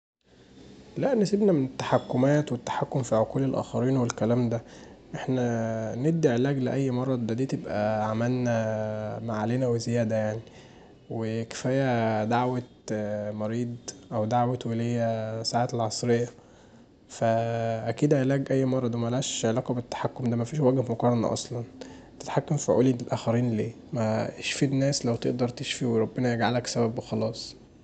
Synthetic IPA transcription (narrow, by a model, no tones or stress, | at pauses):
læʔnesebnæmenet̪ːḁħakːomæːt̪wet̪ːḁħakːomfiʕoquːlelʔæ̰ːxɑɾiːnwelkælæːmd̪æʔeħnæned̪ːiʕelæːɡleʔæjːmɑrˤːɑd̪æd̪iːt̪ebʔæʕamælnæmaʕaleːnæwezejæːd̪æjaʕni | weke̥fæːjæd̪aʕwæt̪mɑɾiːd̪ˤʔæwd̪aʕwæt̪welejːæsaʕaːt̪elʕɑsˤɾejːæ | fæʔækiːd̪ʕelæːɡʔæjːmɑrˤːɑd̪umælæʃʕelæːkɑbet̪ːḁħakːomd̪æmæfiːʃwæɡhmokɑːɾˤɑnɑ̰ʔɑ̰sˤlɑn | t̪e̥t̪ħakːæmfoʕṵːlilelʔæːxæɾiːnleː | mæeʃfid̪næːslæwt̪ḛʔd̪ɑɾˤt̪eʃfiweɾˤɑbːenæjeɡʕalæksæbæbwexɑlɑːsˤ